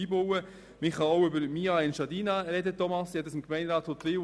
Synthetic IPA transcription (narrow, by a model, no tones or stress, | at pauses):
iːbowə | mɪχɑoʊʏbəɾmiːɑɪnʃɑdiːnɑɾɛdətɔmɑsɛtəsɪmkmɛɪnɾɑːthotlɪː